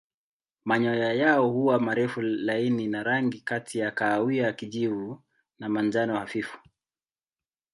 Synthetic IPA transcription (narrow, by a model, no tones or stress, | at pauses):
maɲɔjajaɔhuwamaɾɛfulaininaɾaŋɡikatʰijakaːwiakiʄivu | namand͡ʒanɔhafifu̥